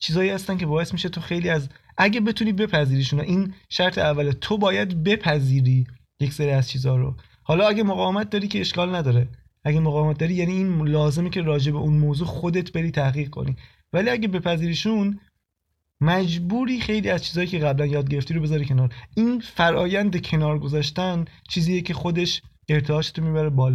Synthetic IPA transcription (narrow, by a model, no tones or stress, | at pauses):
t͡ʃʰiːzɒːiːhæst̪æncʰe̞bɒːe̞smiːʃet̪ʰoxe̞jliːæzʔæɟæbe̞t̪ʰuniːbe̞pʰæziːɾiːʃuːnoʔiːnʃæɾt̪ʰeævːælet̪ʰobɒːjæd̪be̞pʰæziːɾiː | je̞cseɾiːæzt͡ʃʰiːzɒːɾo̰ | hɒːlɒːæɡæmoɣɒːvemæt̪̚d̪ɒːɾiːcʰeeʃkɒːlnæd̪ɒːɾe | ʔæɡæmoɣɒːvemæt̪̚d̪ɒːɾiːjæːniːnlɒːze̞mecʰe̞ɾɒːd͡ʒe̞beʔunmoːzuːxo̞d̪e̞t̪ʰbe̞ɾiːt̪ʰæhɣiːɣ̚kʰo̞̰niː | væliːæɟæbe̞pʰæziːɾiːʃun | mæd͡ʒbuːɾiːxe̞jliːæz̥t͡ʃʰiːzɒːjiːcʰeɣæblænjɒːd̪̚ɡe̞ɾe̞ft̪iɾobe̞zɒːɾiːcʰe̞nɒːɾiːnfæɾʔɒːjænd̪ecʰe̞nɒːɾɡo̞zɒːʃt̪ænt͡ʃʰiːziːjecʰe̞xo̞d̪e̞ʃ | e̞ɾt̪ʰeɒːt̪ʰet̪ʰomiːbæɾebɒːl